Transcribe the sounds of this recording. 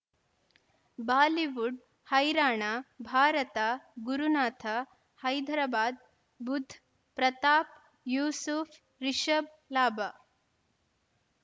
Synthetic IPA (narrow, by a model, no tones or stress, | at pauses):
baːliʋuɖ | hɐjɾaːɳaːbʱaːɾɐt̪aɡuɾunaːt̪ʰa | hɐjd̪ʱɐɾɐbaːd̪̚ | bud̪ʱː | pɾɐt̪aːp | juːsuf | ɾiʃəb̚ | laːba